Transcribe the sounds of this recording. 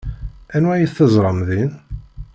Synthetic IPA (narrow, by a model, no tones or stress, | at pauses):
ænwæjəθːəzˤɾˤəmðin